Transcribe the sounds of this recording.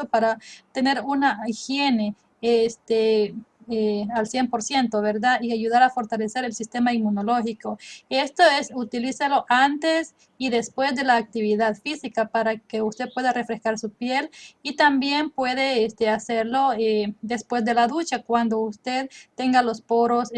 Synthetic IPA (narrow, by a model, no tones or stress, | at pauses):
opaɾat̪e̞ne̞ɾunaixje̞ne | est̪e | ealsje̞mpo̞ɾsje̞nt̪oβeɾðaiaʝuðaɾafo̞ɾt̪ale̞se̞ɾe̞lsist̪e̞maimunolo̞xikoest̪oesut̪ilisalo̞ʔant̪e̞s | iðe̞spwe̞zd̪e̞laːk̚t̪iβiðaðfisikapaɾakeust̪epweðarefɾe̞skaɾsupje̞lit̪ambje̞mpwe̞ðeest̪easeɾlo̞ed̪e̞spwezd̪e̞laðut͡ʃakwand̪oust̪e̞ðt̪e̞ŋɡalo̞spo̞ɾos